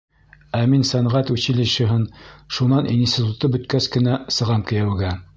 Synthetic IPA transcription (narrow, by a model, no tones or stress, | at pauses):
æminsænʁæt̪ʉɕɘ̆lɘ̆ʃɘ̆ɦɘnʃunɑnʔinsʲt̪ʲit̪ut̪ɤbɵ̆t̪kæskɘ̆næsɤ̆ʁɑmkɘ̆jæwɡæ